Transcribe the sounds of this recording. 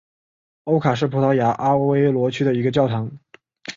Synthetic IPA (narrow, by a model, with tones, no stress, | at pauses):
o˥ʊkʰa˨˩ʂ̬ɻ̩˥˩pʰu˧˥t̪ʰɑ˧˥ʊja˧˥ʔa˥we˥ɪlwɔ˧˥t͡ɕʰy˥d̪ə˨i˧˥ɡə˧t͡ɕjɑ˥˩ʊt̪ʰɑ˧˥ŋ